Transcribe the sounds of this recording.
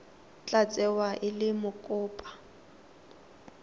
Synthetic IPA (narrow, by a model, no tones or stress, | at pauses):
t͡ɬʼat͡sʼɛwaʔɪlɪmʊkʼʊːpʼḁ